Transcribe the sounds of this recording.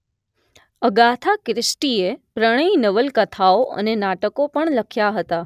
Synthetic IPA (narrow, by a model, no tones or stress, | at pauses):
əɡat̪ʰakɾɪsʈiepɾəɽ̃əinəʋəlkət̪ʰaoʔə̰nenaʈəkopəɳləkʰjaɦət̪a